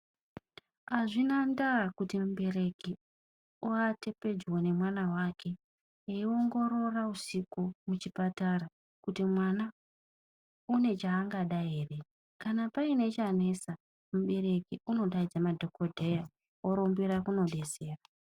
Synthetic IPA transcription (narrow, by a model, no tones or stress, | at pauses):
aʐinandakutimuɓe̞re̞ki | uate̞pe̞d͡ʒwone̞mwanawakʰe̞ | eioŋɡo̞ɾo̞rausikumut͡ʃipatara | kutimwana | une̞t͡ʃaːŋɡaɗaeːre̞ | kanapaine̞t͡ʃane̞sa | muɓe̞ɾe̞kiuno̞ɗaid͡zamadʱo̞kodʱe̞ja | woɾombiɾakuno̞ɗe̞se̞ːra